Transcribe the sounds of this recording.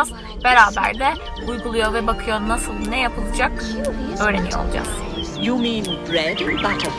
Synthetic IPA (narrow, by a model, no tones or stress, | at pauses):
az | b̥eɾaːbæ̰ɾd̪ɛ | ujɡulˠujo̞vɛbakʰɯjo̞nːasɯlˠd̪ɯnɛjapʰɯlˠɯd͡ʒakø̞ːɾenijoo̰lˠd͡ʒa̰z̥ | juminbɾɛd̪bat